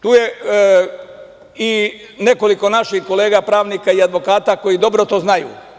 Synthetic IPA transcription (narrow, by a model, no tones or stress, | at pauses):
t̪uːje | i | ne̞ko̞liko̞naʃihko̞le̞ːɡapɾaːʋniːkaiad̪ʋo̞kaːt̪ako̞jid̪o̞bɾot̪o̞ːznajṵː